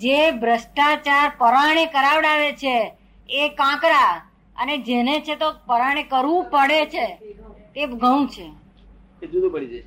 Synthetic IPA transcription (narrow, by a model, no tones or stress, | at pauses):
d͡ʒebʱɾəsʈat͡ʃaɾpəɾaɽ̃ekəɾaʋɽaʋet͡ʃʰeː | kãkɾa | əned͡ʒenet͡ʃʰet̪opəɾaɽ̃ekəɾʋũpəɽet͡ʃʰet̪eɡəũt͡ʃʰe | ed͡ʒud̪ubəɽid͡ʒ